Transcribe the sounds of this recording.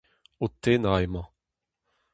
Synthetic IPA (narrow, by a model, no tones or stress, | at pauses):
ot̪enaemɑ̃